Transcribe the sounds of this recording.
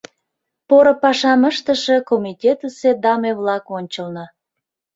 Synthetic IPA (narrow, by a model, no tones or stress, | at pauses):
poɾŏpɑʃɑməʃt̪əʃĕkomitʲet̪əsed̪ɑmeβlɑkonʲt͡ɕəlnə̆